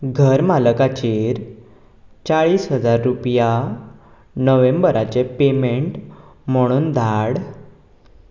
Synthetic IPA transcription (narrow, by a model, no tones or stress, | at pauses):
ɡʱəɾmaləkat͡ɕeɾ | t͡saɭiːsɦəd͡zaɾːupja | nəʋembəɾat͡ɕepemeɳʈm̤əɽ̃uːnd̪ʱaɽ